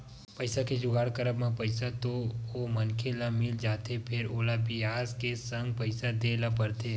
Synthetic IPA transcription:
pəɪsaked͡ʒʊɡaːɽkəɾəbmãpəɪsat̪oomənkʰelamɪld͡ʒaːt̪epʰɪɾoːlabɪaːzkesə̃ŋɡpɐɪsad̪elapɐɾt̪e

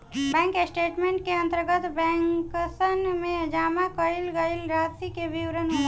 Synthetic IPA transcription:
bɛ̃ːŋkesʈeːʈmẽːɳʈ̚keə̃nt̪əɾɡət̪bɛ̃ːŋkəsənmẽd͡ʒaːmakəilɡəɪlɾat̪ikebiwɾənɦ

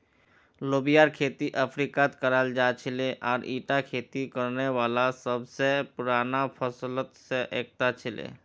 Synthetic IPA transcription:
loːbijaːɾkʰeːt̪iʔəpʰɾiːkat̪kəɾəld͡ʒaːt͡ʃʰɪleʔɔːɾʔiːʈakʰeːt̪ikəɾneʋaːlasəbsepʊɾaːnapʰəslət̪seʔeːk̚t̪at͡ʃʰɪlḛː

